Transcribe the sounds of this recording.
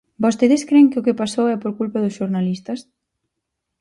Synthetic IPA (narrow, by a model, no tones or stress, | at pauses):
bost̪eðɪskɾeŋkɪʊkɪpasowɛpoɾkulpaðʊsʃoɾnalist̪ɐs